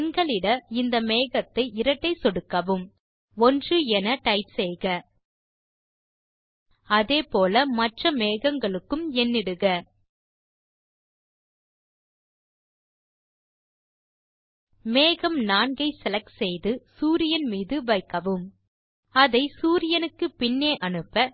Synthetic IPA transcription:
ɛŋɡɐɭɪɽɐɪnd̪ɐmeːɣɐt̪ːɐɪɪɾɐʈːɐɪsɔɽɯkːɐʋɯm | ɔndrɯɛnɐʈɐɪpsɛjɣɐ | ɐðeːpoːlɐmɐʈrɐmeːɣɐŋɡɐɭɯkːɯmɛnːɪɽɯɣɐ | meːɣɐmnaːɳɡɐɪsɛlɐksɛjðɯsuːɾɪjɐnmiːðɯʋɐɪkːɐʋɯm | ɐðɐɪsuːɾɪjɐnɯkːɯpɪnːeːʔɐnɯpːɐ

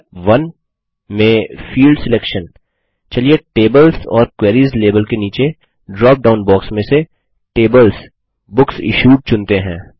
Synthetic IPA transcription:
ʋɐn | mẽfiːlɖsɪlɛːkʃən | t͡ʃɐlieʈeːbəlsɔːɾkwɛːɾiːzleːbəlkeniːt͡ʃe | ɖɾɔːp̚ɖaːʊ̃nbɔːksmẽse | ʈeːbəls | bʊksɪ̰ʃuːʈ̚t͡ʃʊ̃nt̪eɦɛ̰̃ː

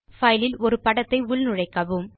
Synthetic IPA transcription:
fɐjlɪlɔɾɯpɐɽɐt̪ːɐɪʊlnɯɻɐɪkːɐʋɯm

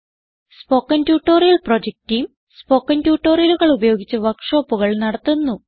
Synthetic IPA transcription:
spo̞ːkːɐntjuːʈːo̞ːrijɐlprod͡ʑek̚tijum | spo̞ːkːɐntjuːʈːoːrijɐluɣɐɭubɐjo̞ːɡit͡ɕːɐʋɐkʂo̞ːpːuɣɐɭnɐɽɐt̪ːunːu

